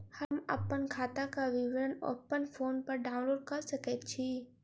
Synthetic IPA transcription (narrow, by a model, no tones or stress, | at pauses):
hɐmə̰pənkʰaːt̪akaʋɪʋɪd̪əno̰pənfʰoːnpɐɾɖaːʊ̃nloːɖ̚kɐɾsɐket̪t͡ʃʰiː